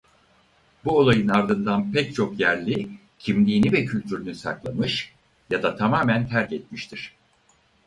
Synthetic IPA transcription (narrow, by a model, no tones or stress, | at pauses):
buo̞lˠajɯnaɾd̪ɯnd̪anpʰɛc̚t͡ʃʰo̞kjæɾlʲi | cʰimlʲiːnivɛcʰylʲt̪ʰyɾynysa̰klˠamɯʃ | jad̪at̪ʰamaːmænt̪ʰæɾcɛt̪miʃt̪ʰiɾ̝̥